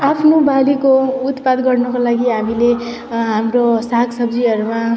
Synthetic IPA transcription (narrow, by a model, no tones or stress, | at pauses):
apʰnobalikout̪pad̪ɡʌrnʌkolaɡiɦamile | ɦamrosakʰsʌbd͡ziɦʌɾuma